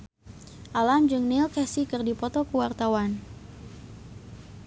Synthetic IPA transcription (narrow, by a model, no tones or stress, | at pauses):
ʔalamd͡ʒɨŋnilkɛsikɨrdipɔt̪ɔkəwart̪awan